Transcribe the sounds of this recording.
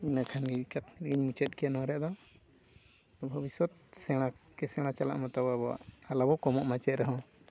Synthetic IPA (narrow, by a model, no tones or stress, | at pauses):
inakʰanɡikat̪nɛɾɡiɲmut͡ʃɛt̪̚kɛanɔɾɛʔd̪ɔ | bʱəbisɔt̪̚sɛɽ̃akɛsɛɽ̃at͡ʃala̰ʔmɔt̪ababɔa̰ʔalabɔkɔmɔʔmat͡ʃɛɾɛɦɔ̃